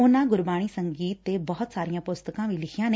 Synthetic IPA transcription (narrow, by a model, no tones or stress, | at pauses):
ʊnãːɡʊɾbaːɽ̃iːsəŋɡiːt̪ːeːbəɦʊt̪saːɾijãːpʊst̪əkãːʋiːlɪkʰijãːne